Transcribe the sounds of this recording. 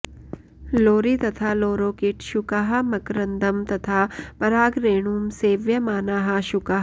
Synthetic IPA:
loːɾit̪ɐt̪ʰaːloːɾoːkiʈʃukaɦɐ̆mɐkɾɐnd̪ɐmt̪ɐt̪ʰaːpɐɾaːɡɾeːɳuːmseːʋjɐmaːnaːɦɐʃʊkaɦ

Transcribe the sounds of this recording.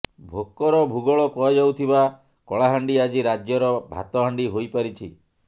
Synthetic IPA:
bʱokːɔɾɔbʱuɡɔɭɔkɔed͡ʒawt̪ʰiba | kɔɭaɦaɳɖiad͡ʒiɾad͡ʒjɔɾɔbʱa̰t̪ɔɦaɳɖiɦojpaɾit͡ʃʰḭ

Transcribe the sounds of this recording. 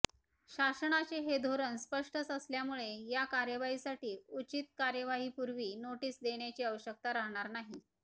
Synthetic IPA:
ɕasəɳat͡ɕeɦed̪ʱoɾənspəʂʈət͡səsljamuɭejakaɾjəʋaɦisaʈiːut͡ɕit̪̚kaɾjəʋaɦiːpuɾʋiːnoʈiːsd̪eɳ̃jat͡ɕiːəʋəɕək̚t̪aɾaɦɳ̃aɾnaɦi

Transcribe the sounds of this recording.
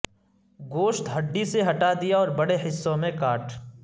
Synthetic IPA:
ɡoːʃt̪ɦɐɖːiseɦɐʈad̪ijaɔːɾbɐɽeɦɪsːõmẽkaːʈ

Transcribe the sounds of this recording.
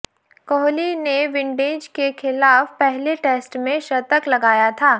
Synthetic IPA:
kɔːɦlineʋɪ̃ɳɖeːd͡ʒkexɪlaːfpɛɦleʈeːsʈmẽʃɐt̪əklɐɡaːjat̪ʰaː

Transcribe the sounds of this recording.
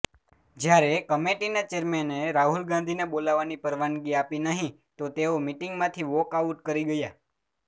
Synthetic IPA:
d͡ʒjaɾekəmeʈinat͡ʃeɾmeneɾaɦulɡãnd̪ʱinebolaʋanipəɾʋanɡiapinəɦĩ | t̪ot̪eomiʈiŋɡmãt̪ʰiʋɔkauʈkəɾiɡəja

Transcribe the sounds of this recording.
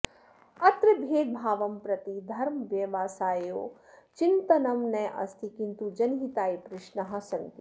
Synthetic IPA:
ɐt̪ɾɨbʱeːd̪̚bʱaːʋɐmpɾɐt̪id̪ʱɐɾmɐʋjɐʋaːsaːjo̰ː | t͡ʃint̪ɐnɐmnɐʔɐ̰st̪ʰikint̪ud͡ʒɐnɦit̪aːipɾɪʃnɐɦɐ̆sɐnt̪i

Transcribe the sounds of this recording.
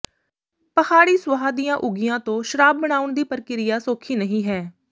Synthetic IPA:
pəhaːɽiːsʋəɦaːd̪ijãːʔʊɡijãːt̪õːʃəɾaːb̚ːəɽaːʊɳd̪iːpəɾkɪɾɪjaːsoːkʰiːnəɦĩːɦɛː

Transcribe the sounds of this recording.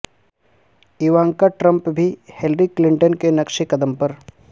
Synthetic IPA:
iʋãːŋkaʈɾə̃mpbʱihelɾiklɪ̃ɳʈənkenɐkʃikɐd̪əmpɐɾ

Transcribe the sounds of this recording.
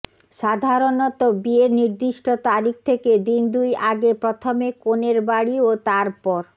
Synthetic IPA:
ʃad̪ʱaɾonɔt̪ɔbieniɾd̪iʃʈot̪aɾikʰt̪ʰeked̪ind̪ujaɡepɾɔt̪ʰomekoneɾbaɽiot̪aɾpɔɾ

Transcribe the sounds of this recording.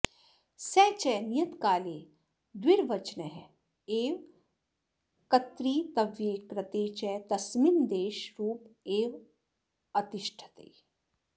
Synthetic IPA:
sɛt͡ʃɛnijət̪kaːleː | d̪wɪɾʋɐt͡ʃnəɦɛ | eːʋ | kɐt̪ɾiːt̪ɐʋjeːkɾɐt̪eːt͡ʃɛt̪ɐsmind̪eːʃɾuːpeːʋ | ɐt̪ɪʃʈʰə̥t̪ḛ

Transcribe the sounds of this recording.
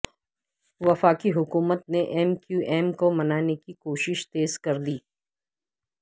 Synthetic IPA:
ʋɐfaːkiɦʊkuːmət̪̚neʔɛːmkjuʔɛːmkomɐnaːnekikoːʃɪʃt̪eːzkɐɾd̪iː

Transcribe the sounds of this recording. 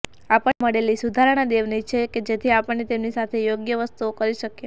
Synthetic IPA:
apəməɽelisud̪ʱaɾaɽ̃ad̪eʋnit͡ʃʰeked͡ʒet̪ʰiapəɳːet̪emnisat̪ʰejoɡjəʋəst̪uokəɾiʃəkje

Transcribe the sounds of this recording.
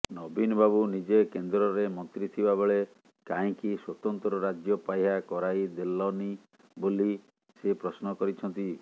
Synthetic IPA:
nɔbinɔbabunid͡ʒekend̪ɾɔɾemɔnt̪ɾit̪ʰibabeɭe | kaĩkiswɔt̪ɔnt̪ɾɔɾad͡ʒjɔpajɦakɔɾajd̪elɔni | boli | sepɾɔsnɔkɔɾit͡ʃʰɔnt̪i

